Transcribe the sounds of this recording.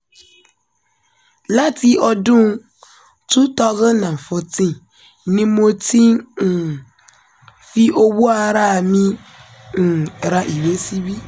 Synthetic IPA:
la˦ti˦ʔɔ˦dũ˦ | tu˦tɔ˦zə˦nã˨fɔ˨tĩ˦˨ | nĩ˦mo˦ti˦˨ | fi˦ʔo˦wu˦a˨ɾa˦˨mĩ˦˨ | ɾa˨ʔi˨we˦si˦bi˦

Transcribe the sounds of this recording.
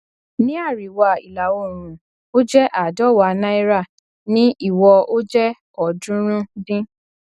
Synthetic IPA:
nĩ˦a˦˨ɾi˨wa˨i˨la˨wo˦˨ɾ̃ũ˨ | o˦d͡ʒɛ˦ʔa˦˨dɔ˦˨wa˨nã˦i˦ɾa˦˨ | nĩ˦ʔi˦˨wɔ˧o˦d͡ʒɛ˦ | ɔ˨dũ˦ɾ̃ũ˦dĩ˦

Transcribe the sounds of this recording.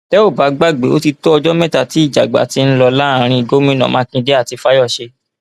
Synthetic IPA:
tɛ˦o˦˨ba˨˦ɡ͡ba˦˨ɡ͡bḛ˨˦o˦ti˧to˦ɔ˧d͡ʒɔ˦mɛ̃˦˨ta˨ti˨˦i˦˨d͡ʒa˨ɡ͡ba̰˨˦ti˧˦n̩˦lɔ˧la˦˨˧ɾ̃ĩ˧i˨ɡo˦mĩ˦nã̰˨mã˨˦kĩ˧de˦a˦˨ti˧fa˦jɔ˦˨ʃe˧

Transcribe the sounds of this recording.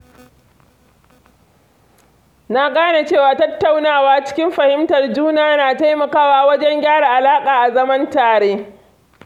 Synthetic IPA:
na˦ɡaː˦na˨t͡ʃeː˦˨waː˨tɐ˦tːa˨wnaː˦˨waː˦t͡ʃɪ̥˦kʲɪ˦mɸɐ˨hɪ˦mtɐ˨rd͡ʒuː˦naː˦naː˨ta˦jmɐ˨kaː˦˨waː˦wɐ˦d͡ʒɛ˦ŋɡʲaː˦ɽa˨ʔa˨laː˦kʼaː˨ʔa˨zɐ˦mɐ˦ntaː˨ɽeː˦

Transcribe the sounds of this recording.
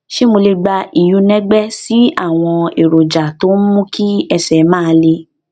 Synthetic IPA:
ʃe˦mo˧le˧ɡ͡ba˧i˨ju˨˦nɛ̃˦ɡ͡bɛ˦si˦a̰˦˨w̃ɔ̃˧e˨ɾo˨d͡ʒa˨to˨˦n̩˦mũ˦kʰi˦ɛ˧sɛ˨˦mãː˦˨˧le˧

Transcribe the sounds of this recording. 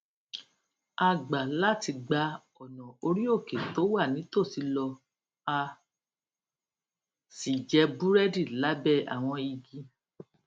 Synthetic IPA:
a˨ɡ͡ba˨la˦˨ti˧ɡ͡ba˧ | ɔ˨nɔ̃˨o˧ɾi˦o˦˨ke˨to˨˦wa˦˨nĩ˨˦to˦˨ti˧˦lɔ˧ | a˧ | si˨d͡ʒɛ˧bu˦ɾɛ˦di˦˨la˨˦bɛ˦˨a̰˨w̃ɔ̃˧i˧ɡi˧

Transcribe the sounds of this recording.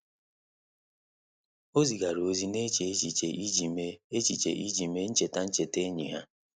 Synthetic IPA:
o˦zi˨ɡa˨ɾo˨zi˦ne˦t͡ʃe˨˦t͡ʃi˨t͡ʃe˨i˦d͡ʒi˨me˦e˦t͡ʃi˨t͡ʃḛ˨ʔi˦d͡ʒi˨me˦n̩˦t͡ʃe˨ta˦n̩˦t͡ʃe˨te˦ɲḭ˨ɦa̰˦

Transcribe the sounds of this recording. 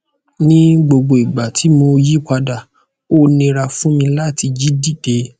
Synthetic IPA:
nĩ˦ɡ͡bo˧ɡ͡bo˧i˨ɡ͡ba˨tʰi˨˦mo˧ji˦kʷa˧da˦˨ | o˦nĩ˧ɾa˧fũ˦mĩ˧la˦˨ti˧d͡ʒi˦di˦˨de˧˦

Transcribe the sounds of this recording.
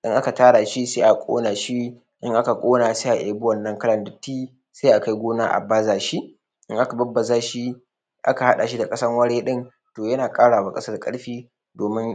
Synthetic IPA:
ʔɪ˦ŋʔa˦ka˨taː˦ɽaː˨ʃi˦seː˦ʔa˨kʷʼo̰ː˦naː˨ʃi˦ | ʔɪ˦ŋʔa˦ka˨kʷʼoː˦naː˨seː˦ʔa˨ʔa˨bʊ˦wɐ˨nːɐ˦ŋkɐ˦lɐ˨ndɪ˨tːiː˦ | se˦ʔa˨ka˦jɡʷoː˦naː˦ʔa̰˨baː˦zaː˨ʃi˦ | ʔɪ̰˦ŋʔa˦ka˨bɐ˦bːɐ˨zaː˦ʃi˦ | ʔa̰˦ka˨ha˦ɗa˨ʃi˦da˨kʼɐ˦sɐ˦ŋwɐ˦ɽeː˦ɗɪ˦ŋ | toː˨jɐ˦naː˨kʼaː˦ɽaː˨waː˦kʼɐ˦sɐ˦rkʼɐ̰˦ɽɸiː˦ | doː˨mɪ˦ŋ

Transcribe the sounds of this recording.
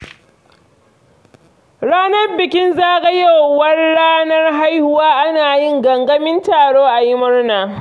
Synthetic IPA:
ɽaː˦nɐ˦rbɪ˨kʲɪ˦nzaː˦ɡɐ˦ja˦˨wːɐ˦rɽaː˦nɐ˦rɦa˦jhʊ˨waː˦ʔa˦naː˨jɪ˦ŋɡɐ˨ŋɡɐ˦mɪ˦ntaː˨ɽoː˦ʔa˨jɪ˦mʊ˦rnaː˨

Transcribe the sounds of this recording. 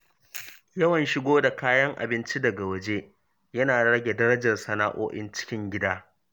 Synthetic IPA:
jɐ˦wɐ˨nʃɪ˦ɡʷoː˦da˨kaː˦jɐ˦ŋʔa̰˨bɪ˦nt͡ʃi˦dɐ˨ɡa˨wɐ˦d͡ʒeː˦ | jɐ˦naː˨ɽɐ˦ɡʲe˨dɐ˦ɽɐ˦d͡ʒɐ˨rsɐ˨naː˦ʔo̰ː˦ʔɪ̰˦nt͡ʃɪ̥˦kʲɪ˦ŋɡʲɪ˦daː˦

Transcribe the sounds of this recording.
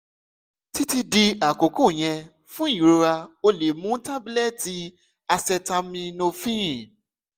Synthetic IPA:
ti˦ti˧di˧a˨ko˨˦ko˦˨j̃ɛ̃˧ | fũ˦ĩ˨ɾo˧ɾa˧o˧le˨mũ˦ta˦bi˦lɛ˦˨ti˨˦ | a˧sɛ˧ta˧mĩ˧nõ˧fĩ˦ĩ˦˨

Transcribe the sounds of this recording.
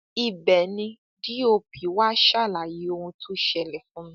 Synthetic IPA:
i˨bɛ˨nĩ˧ | di˦o˧pi˨˦wa˦ʃa˦˨la˨ji˨˦o˧hũ˧tʰu˦ʃɛ˧˨lɛ˨fũ˨˦nĩ˧˦

